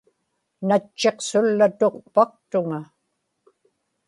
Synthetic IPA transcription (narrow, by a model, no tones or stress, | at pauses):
nat͡ʃːe̞qsʊlːat̪oqpɑq̚t̪ʊŋa